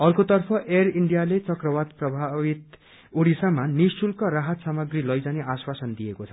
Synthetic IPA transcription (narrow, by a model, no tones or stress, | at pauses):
ʌrkot̪ʌrpʰʌʔeriɳɖijalet͡sʌkrʌwad̪̚prʌbʱaβit̪ | oɽisamanisʈulkaraɦʌt̪samʌɡrilʌjd͡zaniʔaswasʌnd̪ijekot͡sʰʌ̥